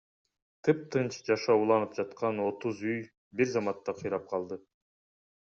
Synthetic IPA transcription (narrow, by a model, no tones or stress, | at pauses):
t̪ʰɯp̚t̪ʰɯnt͡ʃd͡ʒɑʃɑulˠɑnɯp̚d͡ʒɑt̪qɑno̞t̪uzyj | biɾzɑmɑt̪ːɑqʰɯjɾɑp̚qʰɑlˠd̪ɯ